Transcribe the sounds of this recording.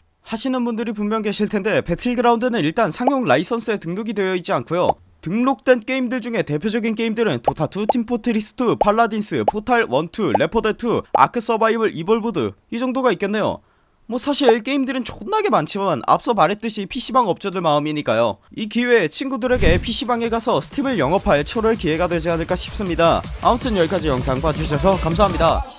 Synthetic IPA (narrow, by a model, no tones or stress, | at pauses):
haɕʰinɯnbundɯɾip̬ummjʌŋɡe̞ɕʰiɭtʰe̞nde̞pe̞tʰiɭdɯɾaundɯnɯniɭt͈ansʰaŋjoŋɭais͈ʰʌns͈ʰɯe̞tɯŋnoɡidwe̞jʌid͡ʑiankʰujo̰ | tɯŋnok̚t͈we̞nk͈e̞imdɯɭd͡ʑuŋe̞te̞pʰjod͡ʑʌɡink͈e̞imdɯɾɯntotʰatʰutʰimpʰotʰɯɾis͈ɯ̥tʰupʰaɭːadins͈ʰɯpʰotʰaɭwʌntʰule̞pʰʌdetʰua̰kʰɯs͈ʌbaibɯɾʔiboɭbudɯ̰id͡ʑʌŋdoɡaik͈e̞nːe̞jo̰ | mwʌsʰaɕʰiɭk͈e̞imdɯɾɯnt͡ɕonːaɡe̞mant͡ɕʰimʌna̰ps͈ʌmaɾe̞t͈ɯɕʰipʰiɕ͈ʰibaŋʌp̚t͡ɕ͈ʌdɯɭmaɯmiɲik͈ajo̰ikiwe̞t͡ɕʰinɡudɯɾe̞ɡe̞pʰiɕ͈ʰibaŋeɡasʰʌsʰɯ̥tʰimɯɭjʌŋʌpʰaɭt͡ɕʰʌɾɯkie̞ɡadwe̞d͡ʑiɦanɯɭk͈aɕʰi̥p̚s͈ɯmɲidaa̰mutʰɯnjʌɭk͈ad͡ʑijʌŋsʰaŋbad͡ʑuɕiʌs̬ʰʌkams̬ʰaɦamɲida